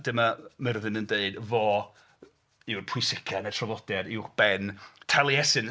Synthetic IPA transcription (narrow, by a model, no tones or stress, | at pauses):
d̥ɪmamərəðɨnəndeɨdvɔ | ɪwrpʰʊɨsɪkʰanɛtʰrɔvˠɔd̥ɛɾɪwχb̥ɛntʰalˠiɛsɨn